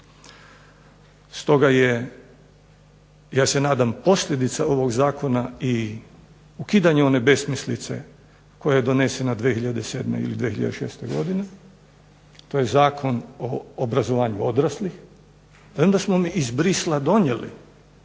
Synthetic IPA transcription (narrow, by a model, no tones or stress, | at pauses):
st̪o̞ɡaje | jaːse̞naːd̪ampo̞sʎʲed̪it̪sao̞ʋoɡzaːko̞nai | ukiːd̪aɲeo̞ne̞be̞smislit̪se̞̰ | ko̞jajed̪o̞ne̞se̞nad̪ʋexiʎad̪ese̞ːd̪mḛḭlid̪ʋixiʎa̰d̪eʃe̞̰ːst̪e̞ɡo̞̰d̪ine̞ | t̪o̞jezaːkʰo̞noːbɾazo̞ʋaːɲuo̞d̪ɾaslix | ond̪asmomiːzbɾislˠad̪o̞ɲelḭ